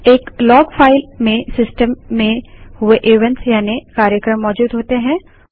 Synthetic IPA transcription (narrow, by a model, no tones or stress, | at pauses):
eːklɔːɡfʰaːɪlmẽsɪsʈəmːẽhʊeʔeːʋə̃nsjaːnekaːɾjəkɾəmːɔːd͡ʒuːd̪ɦoːt̪eɦɛ̃ː